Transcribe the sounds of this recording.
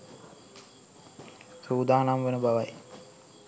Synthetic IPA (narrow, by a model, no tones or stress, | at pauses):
suːd̪aːnamʋenəbaʋaj